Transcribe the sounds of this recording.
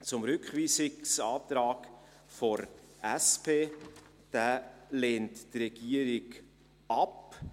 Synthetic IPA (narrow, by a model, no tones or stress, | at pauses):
t͡sʊmɾʏkχviːsɪksɑːtɾɑːk | fɔɾ | æspʰeː | d̥æːleːnttrɛɡ̥iəɾɪɡ | ɑp